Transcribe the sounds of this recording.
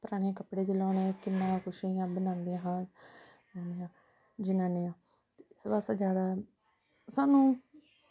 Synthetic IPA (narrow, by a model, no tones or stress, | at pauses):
t̪əɾaːnẽkəpɽeːt͡ʃelaːneːkɪnːãːkʰʊʃiːjãːbənãːnd̪iãːɦãː | aːnejãː | d͡ʒɪnãːneːãː | t̪eɪsʋaːsaːd͡ʒjaːd̪aː | saːnũː